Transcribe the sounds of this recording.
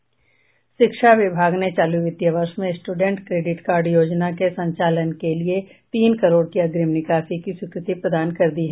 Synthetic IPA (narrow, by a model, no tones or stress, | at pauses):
ʃɪkʃaʋɪbʱaːɡnet͡ʃaːluʋɪt̪jaʋəɾʃmẽsʈuɖə̃ɳʈkɾeːɖɪʈkaːɾɖjoːd͡ʒnakesɐ̃ɲt͡ʃaːlənkelie | t̪iːnkɐɾoːɽkiɐɡɾɪmnɪkaːfikiswɪkɾɪt̪ipɾɐd̪aːnkɐɾd̪iɦɛː